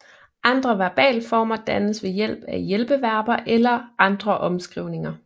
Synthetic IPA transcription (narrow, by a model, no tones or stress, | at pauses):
ʔɑ̈nd̥ʁɐʋæɐb̥ɛ̰ːləfɒ̰ːmɐd̥ænəsʋe̝jel̰b̥æjelb̥əʋæɐ̰b̥ɐʔelɐɑ̈nd̥ʁɐʔɒ̽msɡ̥ʁiʊ̰ne̝ŋɐ